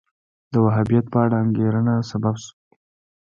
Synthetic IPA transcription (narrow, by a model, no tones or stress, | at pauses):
d̪̥əwaɦabijat̪̚pəaɽaaŋɡeɾənasababsu̥